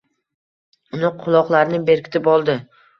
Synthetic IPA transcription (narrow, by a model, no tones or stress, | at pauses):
ʊnɪqʰʊlˠɒqlˠaɾnɪbe̞ɾkʲʰɪ̥t̪ʰɪpɒlˠd̪ɪ